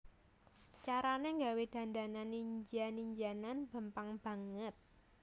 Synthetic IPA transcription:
t͡ʃaɾaneŋɡawed̪̥ä̤nd̪a̤naniɲd͡ʒaniɲd͡ʒananb̥ə̤mpaŋb̥a̤ŋət̪̚

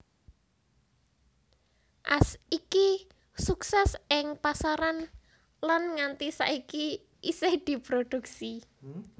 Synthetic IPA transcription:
ʔasiki | suksɛsɪŋpasaɾan | lanŋant̪isa̰ʔiki | ʔised̪̥i̤pɾoɖ̪̥uk̚si

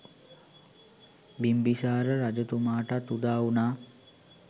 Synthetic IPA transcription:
bimbisaːɾəɾad͡ʒət̪umaːʈat̪ud̪aːunaː

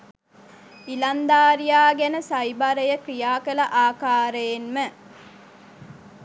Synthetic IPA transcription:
iland̪aːɾijaːɡænəsɐjbaɾəjəkɾijaːkələʔaːkaːɾəjenmə

